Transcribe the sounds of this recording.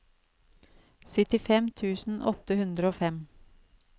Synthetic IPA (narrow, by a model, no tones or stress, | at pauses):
sʏt̪ɪfɛmt̪ʰʉːsn̩ʔɔ̰t̪əhʉnd̪ɾəoːfɛm